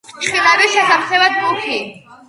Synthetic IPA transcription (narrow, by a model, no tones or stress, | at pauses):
t͡ʃʰχwit̪ʼaɾiʃɛsamχɛlad̪bukʰi